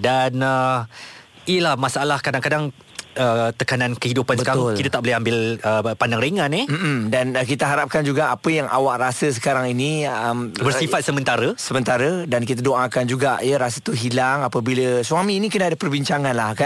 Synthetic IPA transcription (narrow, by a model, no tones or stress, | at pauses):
danə | ijəlahmasalahkadaŋkadaŋ | ət̪əkanãnkəhidupansbə̥kaɾaʊlkit̪at̪aʔ̚bolɪɦambɪləpandaŋɾeŋãnɪm̩dank̬it̪aɦaɾap̚kand͡ʒuɡaapəjaŋa̰waʔrasəs̬ə̥kaɾaŋinĩəmbərsifat̪̚səmənt̪aɾəsəmə̃nt̪aɾədankit̪adoʔakand͡ʒuɡaʔjəɾasət̪uɦilaŋapəbiləsuamĩːnikənaːdapərbiɲt͡ʃaŋãnlahkan